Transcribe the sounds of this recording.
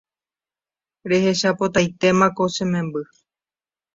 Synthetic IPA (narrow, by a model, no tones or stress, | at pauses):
ɾe̞he̞ʃapot̪ajt̪e̞mãko̞sẽ̞mẽ̞mbɨ